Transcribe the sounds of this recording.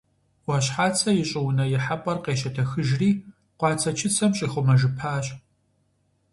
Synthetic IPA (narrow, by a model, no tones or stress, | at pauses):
wɐɕħaːt͡sʰɐjɪɕʼɪwʊnɐjɪħapʼɐrqeːʃɐtʰɐxɨʒriː | qʷɑːt͡sʰɐt͡ʃʰɪt͡sʰɐmɕʼiːxʷʊmɐʒɨpʰaːɕ